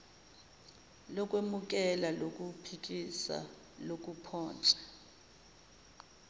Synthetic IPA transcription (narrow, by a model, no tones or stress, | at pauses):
lɔkʼwemuk̬ʼɛlalokʼupʰikʼisa̰ | lok̬ʼupʰɔːnt͡ʃʼɛ̥